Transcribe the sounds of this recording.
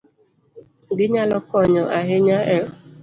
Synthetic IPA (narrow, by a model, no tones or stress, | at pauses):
ɡɪɲalɔkɔɲɔʔaɦɪɲaʔe